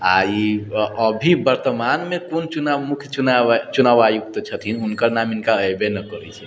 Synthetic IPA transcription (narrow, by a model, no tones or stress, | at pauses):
a̰iəbʱibəɾt̪əmanmekont͡ʃunamukʰjunat͡ʃunaʋajuk̚t̪t͡ʃʰət̪ʰinunkəɾnaminkaəjbenəkəɾɛt͡ʃʰɛ